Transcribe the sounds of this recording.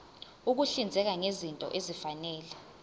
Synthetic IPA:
uk̬uɬind͡zʱɛk̬aŋezintʼɔ̰ʔezifanɛːlɛ

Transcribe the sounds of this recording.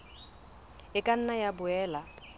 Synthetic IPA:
ɪkʼan̩najabʊɛːla

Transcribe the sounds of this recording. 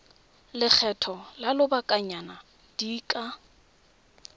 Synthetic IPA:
lɪk͡xʰɛtʰɔlalʊbakʼaɲana | d̥iːkʼa

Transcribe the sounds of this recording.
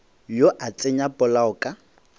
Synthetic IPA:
joʔat͡sʼeɲapʼɔlaʊkʼa

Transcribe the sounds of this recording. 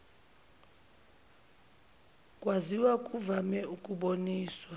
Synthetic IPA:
kʼwaziwakʼuvamɛukʼuɓoniːswa

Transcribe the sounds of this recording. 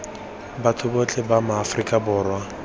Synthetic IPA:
batʰʊbot͡ɬʼɛbamaːfrikʼabʊːrwa

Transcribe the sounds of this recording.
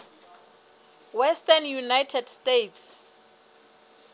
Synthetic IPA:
wɛstanjunajtʰɛdstejtʰs

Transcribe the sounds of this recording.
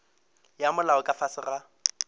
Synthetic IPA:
jamʊlaʊkʼafasɪra

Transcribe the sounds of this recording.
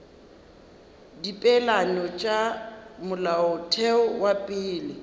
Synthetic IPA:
dipʼɛlanɔt͡ʃʼamʊlaʊtʰɛʊwapʼɪːlɪ

